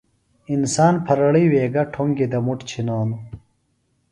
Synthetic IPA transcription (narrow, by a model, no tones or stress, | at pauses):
insaːnpʰɐɾɐɭiːweːɡɐʈʰoŋɡid̪ɐmuʈt͡ɕʰinaːnu